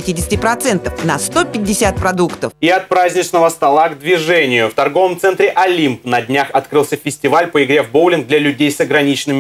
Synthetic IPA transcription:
ɪtʲidʲɪsʲɪ̥tʲɪpɾɐt̪sɛnt̪əfnɐst̪opʲɪdʲːɪsʲat̪̚pɾɐd̪ukt̪əfiɐt̪̚pɾazʲnʲɪt͡ɕnəvəst̪ɐlˠaɡd̪vʲɪʐɛnʲɪjʊft̪ɐrɡo̞vəmt̪sɛnt̪ɾʲɪʔɐlʲimpnɐdʲnʲaxɐt̪kɾɨlˠsʲəfʲɪsʲtʲɪvalʲpəɪɡɾʲevbowlʲɪnɡ̚d̪lʲɐlʲʉdʲejsɐɡɾɐnʲit͡ɕnɨmʲɪ

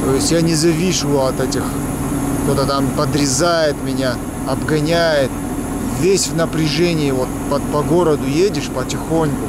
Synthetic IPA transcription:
t̪ojɪsʲtʲjanʲɪzɐvʲiʂɨɐt̪ɛtʲɪx | kt̪o̞t̪ət̪ampəd̪ɾʲɪzajɪt̪mʲɪnʲa | ɐbɡɐnʲæjɪt̪̚ | vʲesʲvnəpɾʲɪʐɛnʲɪːvot̪pɐpɐɡo̞ɾəd̪ʊjedʲɪʂpətʲɪxo̞nʲkʊ

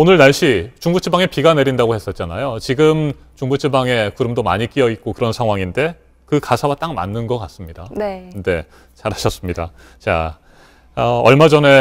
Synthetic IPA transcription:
onɯɭnaɭɕ͈it͡ɕuŋbut͡ɕʰibaŋe̞piɡane̞ɾindaɡohe̞s͈ʌt̚t͡ɕ͈anajot͡ɕiɡɯm | t͡ɕuŋbut͡ɕʰibaŋe̞kɯɾɯmdoma̰ɲik͈iʌit̚k͈okɯɾʌnsʰaŋɦwaŋinde̞ | kɯkasʰawat͈aŋma̰nːɯnɡʌk͈as͈ɯmɲidanede̞ | t͡ɕaɾɦaɕʰʌs͈ɯmɲida̰ | t͡ɕa̰ | ʌʌɭmad͡ʑʌne̞

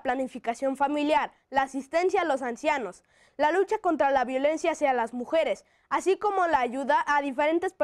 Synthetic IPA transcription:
planifikasjo̞ɱfamiljaɾ | laːsist̪e̞nsjaːlo̞s̬ansjano̞s | lalut͡ʃako̞nt̪ɾalaβjo̞le̞nsjasealazmuxe̞ɾe̞s | asiko̞mo̞laːʝuðaʔaðife̞ɾe̞nt̪e̞spe

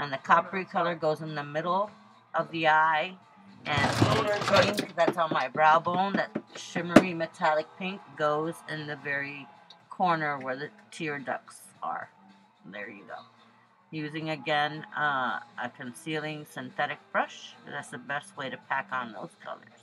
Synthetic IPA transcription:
ʔɨ̃nðɨkʰɑpəɹikʰʌlˠə˞ɡoʊzɨ̃nðɨmɪɾl̩ˠ | ʔʌvðiaɪ | ʔɨ̃nəmoʊɾə˞bɹɪ̃ŋkðætsn̩maɪbɹaʊbõʊ̃nðɨt̚ʃɪmə˞imɨtʰælˠɨk̚pʰɪ̃ŋk̚ɡ̥oʊzɪ̃nðɨvɛɹikʰɔɹnə˞wə˞ðɨtʰɪɹdʌ̰ks | ə̰˞ | ðə̰˞jɨ̰ɡo̰ʊ | jʉzɪ̃ŋɨɡɛ̃nʌʔə̰kʰɨ̃nsilˠɪ̃ŋsɨ̃nθɛɾɨk̚b̥ɹʌʃðætsðɨbɛst̚weɪɾɨpʰækn̩ðo̰ʊz̥kʰʌ̰lˠə̰˞z̥

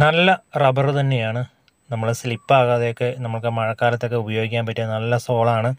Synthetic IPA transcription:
nɐlːɐrɐbɐrɨt̪ɐnːe̞jaːɳɨ | nɐmːɐɭɨslipːaːɣaːðejokːenɐmːɐɭkɨmɐɻɐkːaːlɐt̪ːo̞kːeubɐjo̞ːɡikʲːaːnpɐtːijɐnɐlːɐso̞ːɭɐmaːɳɨ

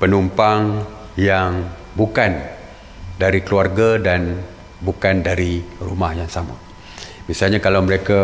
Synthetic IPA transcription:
pənumpaŋ | jaŋ | bukan | daɾikəluarɡadan | bukandaɾirumahjaŋsamʊ̰t̪̚ | biasalɲakalawməɾeka

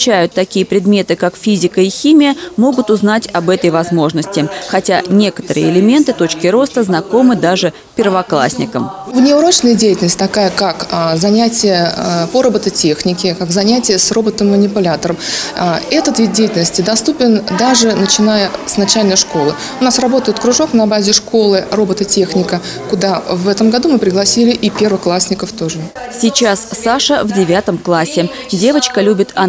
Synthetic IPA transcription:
t͡ɕːæjʊt̪ːɐkʲijəpɾʲɪd̪mʲe̞t̪ɨkakfʲizʲɪkəixʲimʲɪjəmo̞ɡʊt̪ʊznatʲɐbɛt̪əjvɐzmo̞ʐnəsʲtʲɪxɐtʲanʲe̞kə̥t̪əɾɨjəɪlʲɪmʲe̞nt̪ɨt̪o̞t͡ɕkʲɪɾo̞st̪əznɐko̞mɨd̪aʐɨ | pʲɪrvɐklˠa̰sʲnʲɪkəm | vnʲɪʊɾo̞t͡ɕnəjədʲejɪtʲɪləsʲtʲt̪ɐkajəkakzɐnʲætʲɪjəpoɾəbət̪ətʲe̞xnʲɪkʲɪkakzɐnʲætʲɪjəsro̞bət̪ɨmːənʲɪpʊlʲat̪əɾəm | ɛt̪ət̪vʲid̪̚dʲejɪtʲɪlʲnəsʲtʲɪd̪ɐst̪upʲɪnd̪aʐɨnət͡ɕɪnajəsnɐt͡ɕælʲnəjʂko̞lˠə | ʊnasrɐbo̞t̪əjɪt̪kɾʊʐo̞knɐbazʲɪʂko̞lˠɨro̞bət̪ətʲe̞xnʲɪkə | kʊd̪avɛt̪əmɡɐd̪umɨpɾʲɪɡlˠɐsʲilʲɪʔipʲe̞rvəxklˠasʲnʲɪkəft̪o̞ʐɨsʲit͡ɕassaʂəvdʲɪvʲat̪əmklˠasʲːɪ | dʲe̞vət͡ɕkəlʲubʲɪt̪ɐ

